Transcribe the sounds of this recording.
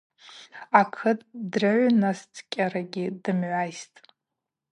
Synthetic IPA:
akʰɨtʼdraʕʷnastʰkʲʼaɾaɡʲɪdɨmʕʷajstʼ

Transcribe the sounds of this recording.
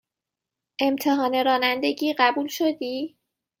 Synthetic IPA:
ʔe̞mt̪ʰe̞ɦɒːne̞ɾɒːnænd̪e̞ɟiːɢæbuːlʃod̪iː

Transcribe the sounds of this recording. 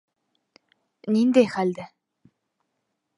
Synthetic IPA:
nint̪eːxalʲt̪ĕ

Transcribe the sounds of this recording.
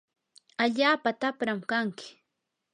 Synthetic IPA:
aʎaːpat̪apɾamkaŋkɪ̥

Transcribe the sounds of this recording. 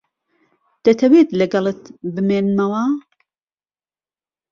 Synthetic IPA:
d̪̥ɐt̪ʰɐweːt̪lɐɡɐlˠɨt̪bɨmeːnmɐwɐ

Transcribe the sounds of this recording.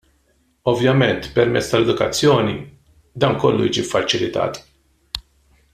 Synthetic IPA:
ɔvjɐmɛnt̪pɛɾmɛt͡sːt̪ɐlɛd̪ʊkɐt͡sːjɔːni | d̪ɐːŋkɔlːujḭːd͡ʒifːɐt͡ʃɪlɪt̪ɐ̰ːt̪

